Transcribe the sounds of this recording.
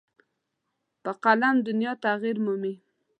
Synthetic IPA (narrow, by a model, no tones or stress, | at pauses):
pəqalamd̪ʊnjɑt̪aɣiɾmumi